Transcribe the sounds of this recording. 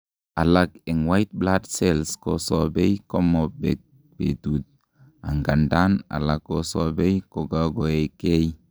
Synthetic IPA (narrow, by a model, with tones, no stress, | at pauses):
a˨la˨ke˨ŋwa˦jt̪̚bla˦dse˦˨lsko˨so˨be˦jko˦mo˨bḛ˨k̚ | b̥ḛ˨tu˨t̪̚ | a̰˨ŋɡa˨nda˦na̰˨la˨kːo˦so˦be˦jko˨ɡa˦ɡo˨e˨ke˦j